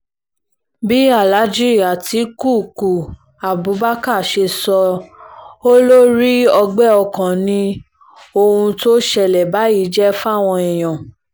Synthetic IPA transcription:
bi˦a˦˨la˨˦d͡ʒi˦ɾi˦a˨ti˧˦ku˦˨ku˨ | a˨bu˨˦ba˦ka˦˨ʃe˧sɔ˧ | o˦lo˦ɾi˦ɔ˧ɡ͡bɛ˦ɔ˧kã˨nĩ˧ | o˧hũ˧to˦ʃɛ˨lɛ˨ba˨˦i˧˦d͡ʒɛ˦fa˦˨w̃ɔ̃˧i˨j̃ã˨

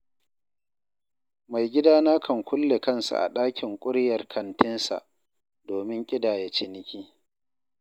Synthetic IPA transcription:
ma˨jɡʲɪ˦daː˦naː˦kʰɐ˨ŋkʷʊ˦lːe˨kɐ˦nsa̰˨ʔa̰˨ɗaː˦kʲʰɪ˨ŋkʷʼʊ˦ɽjɐ˨rkʰɐ˨ntɪ˦nsa̰˨ʔ | doː˨mɪ˦ŋkʲʼɪ˦daː˨je˦t͡ʃɪ˦nɪ˦kʲiː˦

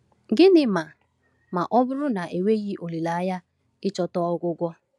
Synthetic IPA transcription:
ɡɪ˦nɪ˨ma˨ | ma˨ʔɔ˦bʊ˦ɾʊ˦na˨ʔe˨we˦ɣi˦ʔo˨li˨la˨a˦ja˦ | ɪ˦t͡ʃɔ˦tɔ˦ɔ˦ɡʷʊ˦ɡʷɔ˦

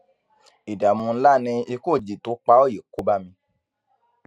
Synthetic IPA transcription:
i˨da˨mũ˧n̩˦la˦˨nĩ˧i˧ko˦˨d͡ʒi˨to˨˦k͡pa˦o˦˨je˨ko˦ba˦mĩ˧

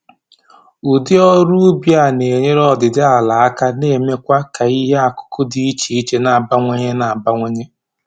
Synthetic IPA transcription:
u˨dɪ˦ɔ˦ɾu˦bja˨ne˨ɲe˦ɾɔ˦˨dɪ˨dɪ˦a˨la˨a˦ka˦ne˦˨me˦kʷa˦ka˨i˦ɦe˦a˨kʊ̥˦kʊ˦di˦i˦t͡ʃi˨i˦t͡ʃe˦na˨a˨ba˦ŋʷe˦ɲe˦na˨a˨ba˦ŋʷe˦ɲe˦

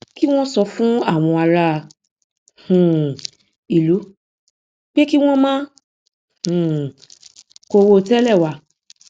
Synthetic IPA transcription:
ki˦w̃ɔ̃˦sɔ˧fũ˦a˦˨w̃ɔ̃˧a˨ɾa˧˨ | hũ˨ | i˨lu˨˦ | k͡pe˦ki˦w̃ɔ̃˦mãː˦ | hũ˨ | ko˧wo˧tɛ˦lɛ˦˨wa˧˨

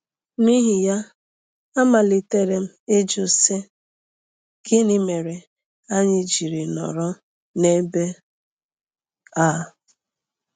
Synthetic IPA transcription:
ni˦ɦi˨ja˦ | a˦ma˨lɪ˨te˦ɾe˦m̩˦e˦d͡ʒo˨se˦ | ɡɪ˦ni˦me˨ɾe˨ | a˦ɲɪ˦d͡ʒi˨ɾi˨nɔ̰˨ɾɔ˦ | ne˦be˦ | a˦˨

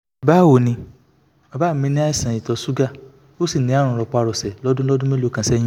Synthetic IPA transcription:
ba˦˨wo˨nĩ˧ | ɔ˨ba˦m̩˨mĩ˧˦nĩ˦a˦i˦˨sã˨i˨tɔ˨˧su˦ɡa˦ | o˦si˦˨nĩ˨˦a˦ɾ̃ũ˨ɾɔ˨˧k͡pa˧ɾɔ˨sɛ˨lɔ˦dũ˦lɔ˦dũ˦mẽ˦lo˨˦kã˧˦sɛ˦jĩ˦

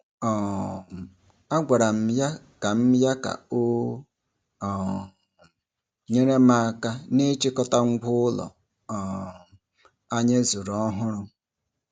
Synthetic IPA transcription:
ɔ˨ | a˦ɡʷa˨ɾa˨m̩˦ja˦ | ka˨m̩˦ja˦ka̰˨o˦˨ | ɲe˦ɾe˦ma˦a˦ka˦ne˦t͡ʃɪ˦kɔ˦ta˦ŋ̩˦ɡʷʊ˦ʊ˦lɔ̰˨ | a˦ɲe˦zu˨ɾɔ˦ɦʊ˦ɾʊ˦

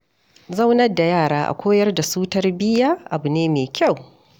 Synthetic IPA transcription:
za˦wnɐ˦da˨jaː˦˨ɽaː˦ʔa̰˨kʷoː˦jɐ˦rda˨suː˦tɐ˦rbɪ˦jaː˦ʔa˨bu˨neː˦meː˨kʲa˦˨w

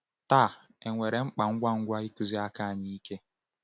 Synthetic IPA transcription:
taː˦˨ | e˨ŋʷe˨ɾe˨ŋ͡m̩˦k͡pa˨ŋ̩˦ɡʷa˦ŋ̩˦ɡʷa˦i˦ku˦zi˦a˦ka˦˨ɲi˦i˦ke˦

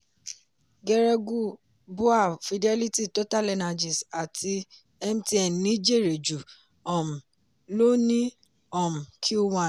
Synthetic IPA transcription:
ɡɛ˧ɾɛ˧ɡu˦˨ | bu˦a˦˨fi˧dɛ˦li˦ti˦˨to˦ta˦˨lɛ˧na˧d͡ʒi˨sa˨tʰi˧ | ɛ˧m̩˦ti˦ɛ˦˨n˨nĩ˦d͡ʒi˦˨ɾe˨d͡ʒu˨ | ɔ˨m̩̃˨ | lo˦nĩ˦ | ɔ˨m̩˨kʰi˦o˦wã˦˨

